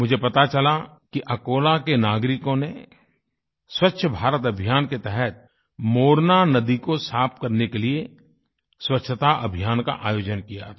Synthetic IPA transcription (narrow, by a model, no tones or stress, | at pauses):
mʊd͡ʒʱepɐt̪at͡ʃɐla | kiʔɐkoːlakenaːɡɾɪkõne | swətːʃʰəbʱaːɾət̪ɐbʱijaːnket̪ɛɦɛt̪̚ | moːɾnanɐd̪ikosaːp̚kɐɾnekelie | swətːʃʰət̪aʔɐ̰bʱijaːnka̰ʔa̰ːjoːd͡ʒənkija̰